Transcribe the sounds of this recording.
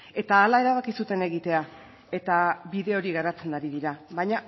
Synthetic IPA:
e̞t̪aːlae̞ɾaβakisut̪e̞ne̞ɣit̪e̞a | e̞t̪aβiðe̞o̞ɾiɣaɾat͡se̞naɾiðiɾaβajɲa

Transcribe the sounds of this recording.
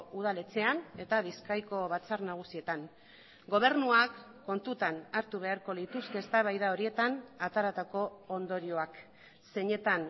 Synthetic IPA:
uð̞alet͡se̞ane̞t̪aβ̞iskajko̞βat͡sarnaɣ̞usie̞t̪aŋ | ɡo̞β̞e̞ɾnuakː | o̞nt̪ut̪anaɾt̪uβ̞e̞aɾko̞lit̪uske̞ːst̪aβajðao̞ɾie̞t̪anat̪aɾat̪ako̞ːnd̪o̞ɾio̞ak | se̞ɲe̞t̪an

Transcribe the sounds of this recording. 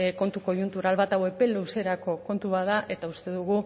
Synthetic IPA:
ko̞nt̪uko̞junt̪uɾalβat̪awe̞pe̞luse̞ɾako̞ko̞nt̪uβaðaʔe̞t̪aust̪e̞ðuɣ̞u

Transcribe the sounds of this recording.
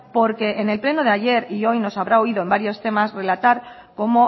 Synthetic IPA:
po̞ɾke̞ʔene̞lple̞noðeaʝe̞ɾio̞jno̞saβ̞ɾao̞ið̞o̞e̞mbaɾjo̞st̪e̞masre̞lat̪aɾko̞mo̞

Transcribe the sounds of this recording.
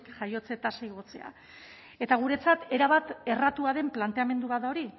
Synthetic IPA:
kʝajo̞t͡se̞t̪asaiɣ̞o̞t͡se̞̰a̰ | e̞t̪aɣ̞uɾe̞t͡sat̪e̞ɾaβ̞at̪e̞rat̪uaðe̞mplant̪e̞ame̞nd̪uβat̪d̪ao̞ɾi

